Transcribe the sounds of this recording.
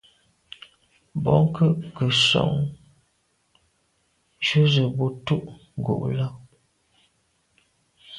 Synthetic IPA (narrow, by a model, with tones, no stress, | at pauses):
bɔ˨˦ŋ˦kʰə˦ʔkə˨sɔ̰˨ŋ | t͡ʃu˦zə˨bo˨˦tu˦ʔŋ˨ɡṵ˨ʔla˦